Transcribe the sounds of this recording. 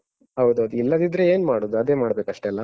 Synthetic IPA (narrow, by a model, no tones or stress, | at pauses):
ɦɐwd̪uɐd̪uilːɐd̪id̪ɾe̞eːnmaːɽod̪uɐd̪eːmaːɽbe̞ːkɐʂʈelːɐ